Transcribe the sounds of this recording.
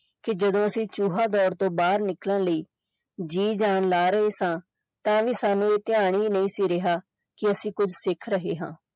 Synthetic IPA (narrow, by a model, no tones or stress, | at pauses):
kɪd͡ʒəd̪õːəsĩːt͡ʃuːɦaːd̪ɔːɾt̪õːbaːɾnɪkləɳləiː | d͡ʒiːd͡ʒaːnlaːɾəɦeːsãː | t̪ãːʋiːsaːnũːeːt̪ɪaːɽ̃iːnəĩːsiːɾɪɦaː | kɪəsĩːkʊd͡ʒʱsɪkʰɾəɦeːɦã̰ː